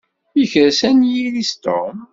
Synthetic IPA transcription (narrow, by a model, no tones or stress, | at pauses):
içəɾsænjilist̪o̰m